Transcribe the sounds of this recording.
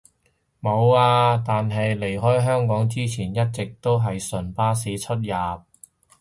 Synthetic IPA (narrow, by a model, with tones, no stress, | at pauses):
mo˨˧waː˧t̪aː˨nɦɐ˨jle˨˩jɦɔː˥jɦœː˥ŋkɔː˨˥ŋt͡siː˥t͡sʰiː˨˩njɐ˥t̚t͡sɪ˨k̚t̪o˥wɦɐ˨jsɵ˨˩npaː˥s̬iː˨˥t͡ʃʰɵ˥t̚jaː˨˩p̚